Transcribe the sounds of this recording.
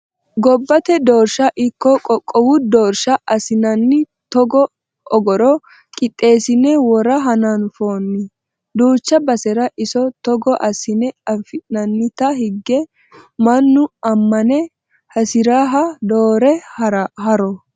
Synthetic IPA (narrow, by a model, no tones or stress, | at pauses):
ɡɔbːɐt̪ɛd̪oːɾʃɐʔɪkːɔkʼɔkʼːɔwʊd̪oːɾʃɐʔɐsɪnɐnːɪ | t̪ɔɡɔ | ɔɡɔɾɔ | kʼɪt̪ʼːe̞ːsɪnɛwɔɾɐɦɐnɐnfo̞ːnːɪ | d̪uːt͡ʃːɐbɐsɛɾɐʔɪsɔt̪ɔɡɔʔɐsɪnɛɐfɪnɐnːɪt̪ɐɦɪɡːɛ | mɐnːʊɐmːɐnɛ | hɐsɪɾaɦɐd̪o̞ːɾɛhɐɾɐhɐɾɔ